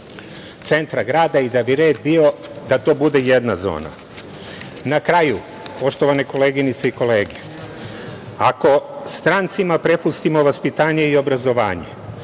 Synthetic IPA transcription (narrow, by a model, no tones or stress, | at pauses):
t̪se̞nt̪ɾaɡɾaːd̪aid̪abiɾe̞ːd̪bio̞d̪at̪o̞ːbud̪e̞je̞d̪nazo̰ːna̰ | nakɾaju | po̞ʃt̪o̞ʋaneko̞leɡinit̪seiko̞leːɡe | ako̞st̪ɾant̪simapɾe̞pust̪imo̞ʋaspit̪aːɲe̞io̞bɾazo̞ʋa̰ːɲḛ